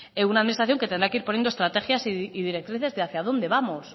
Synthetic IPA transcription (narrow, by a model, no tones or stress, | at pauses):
eunaːðminist̪aθjo̞ŋket̪end̪ɾakeiɾponjend̪oest̪ɾat̪e̞xjasiiðiɾe̞k̚t̪ɾiθe̞zðeaθjaðo̞nd̪e̞βamos